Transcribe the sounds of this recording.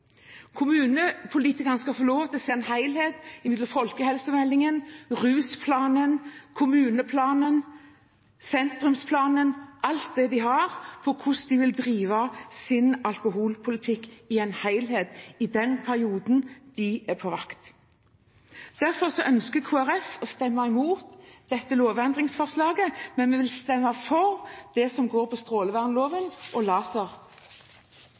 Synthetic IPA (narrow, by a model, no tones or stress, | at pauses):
kʰʊmʉːnəpʰʊliːt̪ɪkəʁnəskɑfoːloːʋt̪ɪlseːnhæɪlheːd̪ɪmɪd̪ləfɔlkəhɛlsəmɛlːɪŋənʁʉːspʰlɑːnənkʰʊmʉːnəpʰlɑːnən | sɛnt̪ɾʉmspʰlɑːnənʔɑlt̪̚d̪ɛd̪ɪɦɑʁpʰɔkʰʊsd̪ɪʋɪld̪ɾiːʋɑsɪnɑlkʊɦuːlpʰʊlɪt̪ʰɪkːɪɛnhæɪlɦeːd̪ɪd̪ɛnpʰæʁɪuːd̪n̩d̪̥ɪɛpʰɔʋɑ̰kt̪ | d̪̥æʁfɔʁsɔʔœnskəkʰuːæʁɛfɔst̪ɛmːɑɪmuːt̪d̪̥ɛt̪ːəloːʋɛnd̪ʁɪŋsfɔʁslɑːɡəmɛnmɛʋɪlst̪ɛmːɑfɔʁd̪̥ɛsɔmɡoːɾpʰɔst̪ʁoːləʋæʁnloːʋənʔɔlɑːsɑʁ